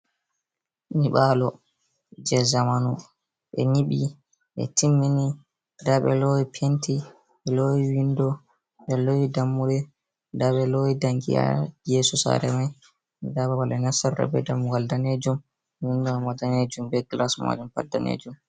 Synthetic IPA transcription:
niɓalɔ | d͡ʒɛzamanu | ɓɛ̰niɓi | ɓɛ̰timːini | daɓɛ̰lojipʰentʰi | ɓɛlojiwindɔ | ɓɛlowidamːuɾɛ | daɓɛlowidaŋɡḭa̰jɛsɔsa̰ɾɛmaj | daɓawalɛnasaːa̰bɛ̰damuɡaldaned͡ʒum | windɔamadaned͡ʒumbɛɡlasma̰dɛmpa̰dːa̰nḛːd͡ʒum

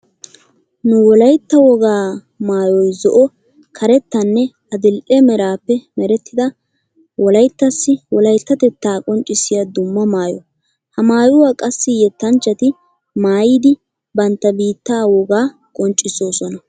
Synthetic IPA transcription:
nʊwɔlɐjt̪ːɐwɔɡaː | maːjɔjzɔʔɔ | kʰɐɾɛt̪ːɐnːɛ | ɐd̪ɪlʔɛmɛɾaːpːɛmɛɾɛt̪ːɪd̪ɐ | wɔlɐjt̪ːɐsːɪwɔlɐjt̪ːɐt̪ɛt̪ːaːkʼɔnt͡ʃʼːɪsːɪjɐd̪ʊmːɐmaːjɔ | hɐmaːjʊwaːkʼɐsːɪjɛt̪ːɐnt͡ʃːɐt̪ɪ | maːjiːd̪ɪ | bɐnt̪ːɐbiːt̪ːaːwɔɡaː | kʼɔnt͡ʃʼːɪsoːsɔnɐ

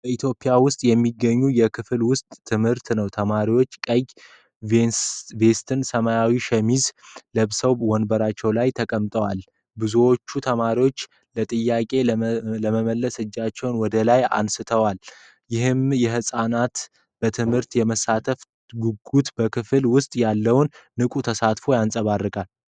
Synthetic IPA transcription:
bəit̪ʰjo̞pʼijawʊst̪ʼjɛmːiɡːəɲːujɛkʰɨflwʊst̪ʼʰːɨmhɨɾt̪nəwt̪ʰəmaɾiwo̞t͡ʃːkʼəj | ve̞st̪ʰɨnsəmajawiʃəmizləβsəwwɔnbəɾat͡ʃːɛwlajt̪ʰəkʼəmt̪ʼəwal | bɨzuwo̞t͡ʃːut̪ʰəmaɾiwo̞t͡ʃː | lət̪ʼɨjːakʼe̞ləməməlːəsɨd͡ʒːat͡ʃːɛwnwɔd̪əlaja̰nsɨt̪ʰəwal | jɪɦɨmjɛɦɨsʼanat̪ | b̥ət̪ʰɨmhɨɾt̪jɛməsat̪ʰəf | ɡuɡut̪bəkʰɨfɨlwʊst̪ʼjalːəwnːɨkʼut̪ʰəsat̪fo̞jansʼəβarːɨkʼal

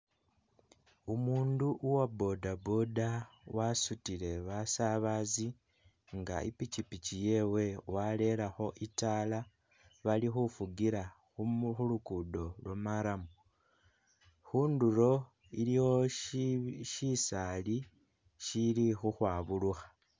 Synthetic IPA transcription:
umuːnduʔuwabo̞dabodawasutile̞βasaβazi | ŋɡa̰ʔḭpit͡ʃipit͡ʃije̞we̞wale̞laxo̞ʔitala | βalixufuɡiɾa | xuxulukudo̞lwamaɾamu | xuːnduɾo̞ | ilixo̞ | ʃisali | ʃilixuxwaːβuluxḁ

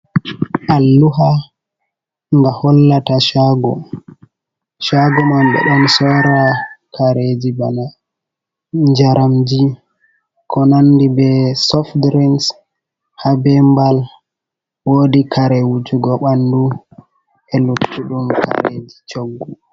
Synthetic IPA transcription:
ʔalːuɦa | ŋɡahɔlːataʃaɡɔ | ʃaɡɔmamɓɛ̰ɗɔnsɔɾakaɾed͡ʒibana | ɲd͡ʒaɾamd͡ʒi | kʰɔnanːdibɛsɔfdɾɛns | habɛmbal | woːdikʰaɾɛwud͡ʒuɡɔɓandu | ɛlukːuɗumka̰ɾḛd͡ʒit͡ʃoɡːu

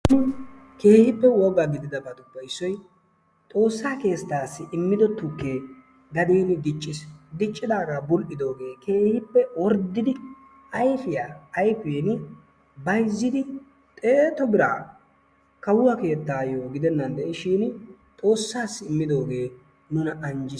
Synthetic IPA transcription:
nɪ | ke̞ːhɪpːɛwɔɡaɡɪd̪ɪd̪ɐbɐd̪ʊpːɐɪsːɔj | t̪ʼo̞ːsːaːke̞ːst̪ːaːsːɪʔɪmːɪd̪ɔt̪ːʊkːe̞ː | ɡɐd̪eːnɪd̪ɪt͡ʃʼːɪsd̪ɪt͡ʃʼːɪd̪aːɡabʊlʔɪd̪o̞ːɡe̞ːkʰe̞ːhɪpːɛwɔɾd̪ːɪd̪ɪ | ɐjfɪjaːjfʊjenɪ | bɐjzːɪd̪ɪ | t̪ʼeːt̪ɔbɪɾa̰ː | kɐwʊwɐke̞ːt̪ːaːjoːɡɪd̪ɛnːɐnd̪ɛɪʃɪːn | t̪ʼo̞ːsːaːsːɪɪmːɪd̪o̞ːɡe̞ː | nʊnɐɐnd͡ʒɪ

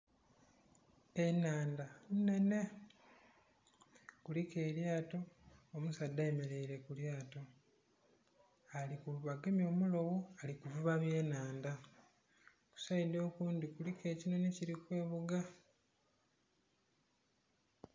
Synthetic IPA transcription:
e̞naːndanne̞ne̞ | kulike̞ːljaːto̞ːmusadːaeme̞ɾe̞iɾe̞kuljaːto̞ | alikuuβaɡemjo̞ːmulo̞woalikuvuβaβje̞ːnaːnda | ku̥said̪o̞ːkuːndikulike̞ːcino̞neciɾikwe̞ːβuɡa

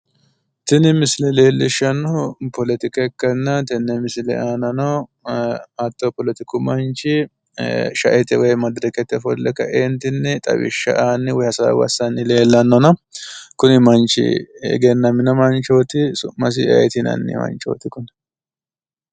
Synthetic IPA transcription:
t̪ɪnɪmɪslɛle̞ːlːɪʃːɐnɔpɔlɛt̪ɪkɐkːɐnːɐt̪ɪnːɛmɪslɛ̰ʔaːnɐnɐ | ɐt̪ːɔpɔlɛt̪ɪkʊmɐnt͡ʃɪ | ʃɐ̰ʔɛt̪ɛwɔjmɐd̪ɾɛkɛt̪ːɛfɔlːɛkːɐ̰ʔeːnt̪ɪnːɛt̪ʼɐ̰wɪ̰ʃːɐ̰ʔanːɪwɔhɐsɐ̰wɐ̰sɐnːɪle̞ːlːɐnːɔnɐkʊnɪmɐnt͡ʃɪ̰ɛ̰ɡɛnːɐmɪnɐmɐnt͡ʃoːt̪ɪsʊmːɐs̬ɪʔɐ̰ɛt̪ɪnɐ̰nːɪ̰mɐ̰nt͡ʃo̰ːt̪ɪkʊn

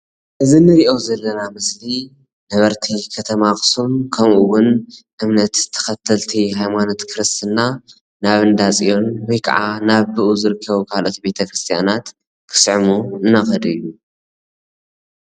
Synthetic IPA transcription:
ʔɨzinɨɾiʔo̞zɐlːɐnamɨsli | nɐβɐɾt̪ʰikʰɐt̪ʰɐmakʼɨ̥sumkʰɐmʔuwʊnʔɨmnɐt̪t̪ʰːɐ̥xɐt̪ʰːɐlt̪ʰiɦajmano̞t̪kʰɨɾɨst̪ʰɨnːa | naβɨnd̪at͡sʼijo̞nwɔjkʰɐ̰ʕanaβbɨʔuzɨɾɨkʰːɐβukʰalʔo̞t̪ibe̞t̪ʰɐkɾɨst̪ʰija̰nat̪ | kʰɨ̥sʕmuɨnːaxɐd̪ɨjːu

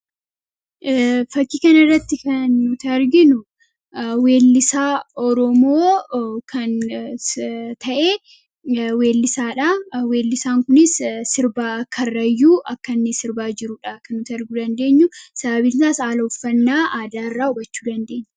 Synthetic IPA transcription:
fɐkːiːkɐnɐɪrːɐt̪ːɪkɐnːʊt̪ːɾɡɪnʊ | we̞ːlːɪsaːɔɾɔmoːkʰɐn | t̪ʰɐʔeː | we̞ːlːɪsaːᶑawe̞ːlːɪsaːŋkʊnɪssɪɾbaːkʰːɐrːɐjːuːʔɐkːɐnːɪsɪɾbaːd͡ʒɪɾʊːᶑɐkɐnːʊt̪ɐɾɡud̪ɐnd̪e̞ːɲːʊsɐbɐbɪnt̪aːsaːlɐʊfːɐnːaːʔaːd̪aːɪrːaːʊbɐt͡ʃːuːd̪ɐnd̪e̞ːɲː

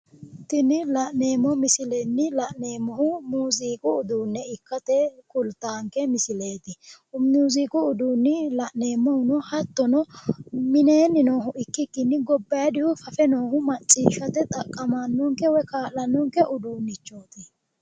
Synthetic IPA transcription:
t̪ɪnɪlɐʔne̞ːmːɔmɪsɪlɛnːɪlɐʔneːmːɔhʊmuːziːkʼʊːd̪uːnːɛɪkːɐt̪ɛkʊlt̪ːaːŋkɛmɪsɪle̞ːt̪ɪ | muːziːkʼʊːd̪uːnːɪlɐʔne̞ːmːɔhnɔhɐt̪ːɔnɔmɪne̞ːnːɪnoːɦʊʔɪkːɪkːɪnːɪɡɔbːɐjɐd̪ɪhʊfɐfɛno̞ːhʊmɐt͡ʃʼːḭːʃɐt̪ɛt̪ʼɐkʼːɐmanːɔŋkɛwɔjkaːlɐnːɔŋkɛʔʊd̪uːnːɪt͡ʃːo̞ːt̪ɪ

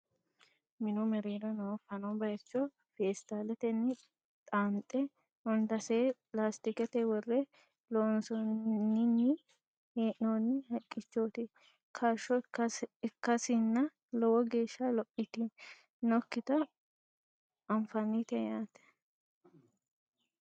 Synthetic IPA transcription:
mɪnʊmɛɾiːd̪ɔnɔwɔfɐnɔbɐjt͡ʃːɔ | feːst̪aːlɛt̪ɛnːɪ | t̪ʼaːnt̪ʼɛ | ɔnt̪ɐseː | laːst̪ɪkɛt̪ɛwɔrːɛ | loːnsɔnːɪnːɪ | heːʔnoːnːɪhɐkʼːɪt͡ʃːoːt̪ɪ | kʰaʃːɔɪkːɐsɪnːɐ | lɔwɔɡeːʃːalɔpʼːɪt̪ɪ | nɔkːɪt̪ɐ | ɐɱfɐnit̪ɛjaːt̪ɛ̥

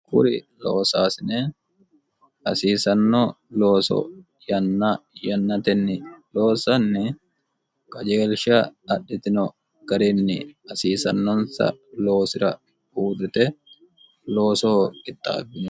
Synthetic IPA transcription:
kʊ̰ɾɪlo̰ːsaːsɪne | ɐsiːsɐnːɔ | loːsɔ̰ | jɐnːajɐnːɐt̪ɛnːɪloːsɐnːɪ | kʼɐd͡ʒeːlʃɐɐɗːɪt̪ɪnɔ | ɡ̥ɐɾɪnːɪɐsiːsɐnːɔnsɐ̰loːsɪɾɐ | uːd̪ʊt̪ɛ | lo̞ːsoːɪt̪ːa̰ːbːɪn

